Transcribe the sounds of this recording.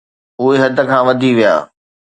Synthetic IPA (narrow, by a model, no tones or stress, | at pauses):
ʊɦeɦɐd̪ʱə̆kʰãːʋɐd̪ʱiʋija̰ː